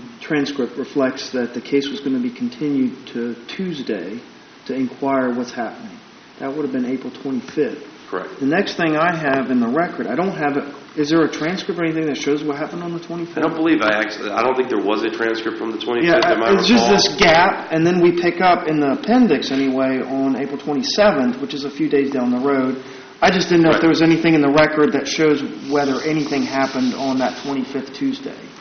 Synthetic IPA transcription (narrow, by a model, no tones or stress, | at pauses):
tʰɹ̥æ̃nskɹɪp̚t̚ɹɨflɛk̚tsðɨt̪̚ðɨkʰeɪswʌzɡʌ̃ñɨbikʰn̩tʰɪ̃njʉd̚tʰɨtʰʉzdeɪ | ɾɨɨ̃nkʰw̥aɪə˞wʌtshæpənɪ̃ŋ | ðɨt̚wʊɾɨvbɨ̃neɪpɹl̩ˠtʰw̥ɛ̃ɾ̃ifɪfkʰə˞ɛ̰k̚tðɨnɛksθɪ̃ŋaɪɨvɨ̃nðəɹɛkə˞ɾaɪɾõʊ̃ntɦɨvɨt̚ | ɨzðə˞ɨtʰɹ̥æ̃nskɹɨp̚tɛniθɪ̃ŋðɨtʃoʊzwʌt̚ɦæpə̃ñn̩ðətʰw̥ɛ̃ɾ̃ifɪõʊ̃nbəlivaɪæk̚t͡ʃlḭaɪɾõʊ̃nθɪ̃ŋk̚ðə˞wʌzɨtʰɹ̥æ̃nskɹ̥ɨp̚tfɹʌ̃mðɨtʰw̥ɛ̃ɾ̃ijæmɪ̥d͡ʒʌsðɪsɡ̥æpɨ̃nðɨ̃nwipʰɪkʌpɨ̃nðəpʰɛ̃ndɨksɛñiweɪʔə̃neɪpl̩ˠtʰw̥ɛ̃ɾ̃isɛvɨ̃nθwət͡ʃɨzəfjʉdeɪzdãʊ̃nðəɹoʊd | aɪd͡ʒʌsd̥ɪdⁿn̩noʊfðə˞wʌzɛniθɪ̃ŋɨ̃nðəɹɛkə˞d̪̚ðɨtʃoʊzwɛðə˞ʔɛñiθɪ̃ŋɦæpɨ̃nd̃n̩ðɨtʰw̥ɛ̃ɾ̃ifɪfθtʰʉzdḛɪ